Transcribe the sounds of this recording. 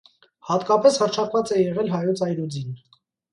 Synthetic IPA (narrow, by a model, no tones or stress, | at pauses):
hɑt̪kɑpɛshərt͡ʃʰɑkvɑt͡sɛjɛʁɛlɦɑjɔt͡sʰɑjɾud͡zin